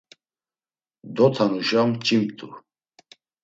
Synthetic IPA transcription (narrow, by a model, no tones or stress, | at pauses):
d̪ɔt̪ʰanuʒamt͡ʃʼimt̪ʼu